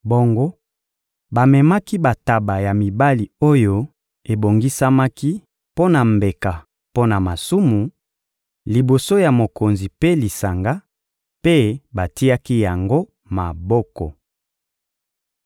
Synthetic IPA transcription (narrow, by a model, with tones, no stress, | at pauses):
bo˨ŋɡo˦ | ba˨mɛ˨ma˦ki˦ba˨ta˨ba˨ja˨mi˨ba˦li˨o˦jo˦ | e˨bo˨ŋɡi˦sa˦ma˦ki˦ | po˦na˨mbe˨ka˨ | po˦na˨ma˨su˦mu˨ | li˨bo˨so˦ja˨mo˨ko˨nzi˨pe˦li˨sa˨ŋɡa˦ | pe˦ba˨ti˦a˦ki˦ja˨ŋɡo˦ | ma˨bɔ˦kɔ̰˨